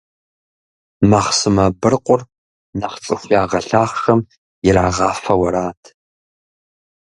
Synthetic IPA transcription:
maχsɨmɐbɨrqʷʼʊr | nɐχt͡sʼɨxʷjaːʁɐɬaːχxɐm | jɪɾaːʁɑːfɐwɐɾaːtʰ

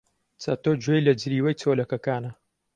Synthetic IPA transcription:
t͡sa̰t̪oːd͡ʒojlɐd͡ʒɾiːwɐjt͡sʰolɐkɐkaːnɐ

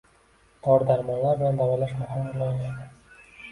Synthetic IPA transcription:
q̪ʰɒɾd̪aɾmɒnlaɾbɪland̪awalaʃmahɪmʊlˠaŋlad̪ɪ

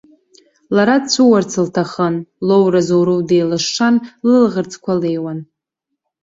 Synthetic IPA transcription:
laɾadt͡sʷʰuwart͡sʰɨltʰaχənlowrazowɾudejlɨʂːanlɨlʁərt͡sʰkʷʰalejwan

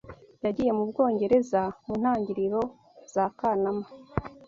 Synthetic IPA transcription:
jaɟije̞mubɡo̞ːɲɟe̞ɾe̞zamun̥haːɲɟiɾiɾo̞ | z̥aːkaːnama

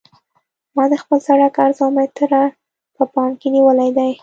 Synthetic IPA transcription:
mɑd̪əxpəlsaɽakaɾzɑmet̪əɾaɾ | pəpɑŋkeniwəlajd̪aj

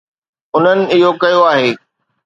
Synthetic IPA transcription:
ʊn̤ənɪ̆ɪɦokɐjoaːɦeː

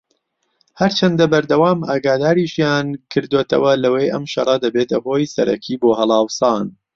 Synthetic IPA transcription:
hɐɾt͡ʃʰɐnd̪ɐbɐɾd̪ɐwaːmʔaːɡaːd̪aːɾiʃjaːnkʰɨɾd̪oːt̪ʰɐ̰wɐlɐwejʔɐmʃɐ̰rˤɐd̪ɐbeːt̪ʰɐɦoːjsɐ̰ɾɐ̰kʰiːboːɦɐlˠɑːwsaːn

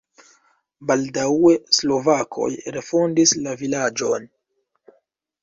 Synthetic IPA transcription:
baldae̞slo̞vakʰo̞̰jɾe̞fondislavilad͡ʒo̞n

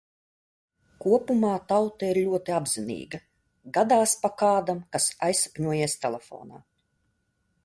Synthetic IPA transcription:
kuɔpumaːt̪awt̪aiɾlʲuɔt̪iabzinḭːɡɐ | ɡad̪aːspakaːd̪amkasajsḁpʲɲuɔjiɛst̪ɛlʲˠɛfɔ̰ːna̰ː

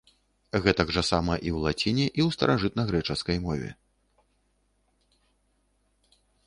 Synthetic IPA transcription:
ɣɛt̪aɡʐɐsamɐʔiwlˠat͡sʲinʲɛʔiwst̪ɐ̰ɾʔaʐɨt̪nɐɣɾɛt͡ʂɐskɐjmɔvʲɛ̰

